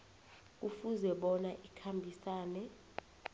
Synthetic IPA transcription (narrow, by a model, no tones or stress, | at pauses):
k̬ʼufuzɛɓɔnaʔikʰambʱisaːnɛ